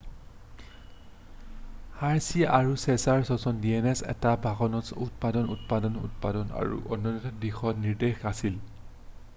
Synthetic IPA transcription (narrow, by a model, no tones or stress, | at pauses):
haɹsiaʔaɹusɛsaɹsɔsɔndiɛnɛsɛ̰tabʱaxɔnɔsutpadɔnṵtpadɔnṵt̚padɔna̰ɹṵʔɔnːɔnitɔdixɔniɹdexasil